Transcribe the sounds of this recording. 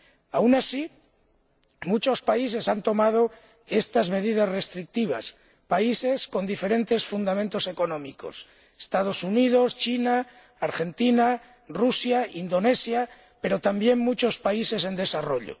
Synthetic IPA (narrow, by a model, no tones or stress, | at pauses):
awnasi | mut͡ʃo̞spais̬e̞sant̪o̞mað̞o̞ | e̞st̪azme̞ðið̞asre̞st̪ɾik̚t̪iβ̞a̰s | paise̞sko̞nd̪ife̞ɾẽ̞nt̪e̞sfund̪ament̪o̞se̞ko̞nõ̞miko̞̰s | e̥st̪að̞o̞sunið̞o̞st͡ʃinaː | ɾxe̞nt̪ina | rusjaind̪o̞ne̞sja | pe̞ɾo̞t̪ambje̞ŋmːut͡ʃo̞spaise̞se̞nd̪e̞saro̞ʎo̰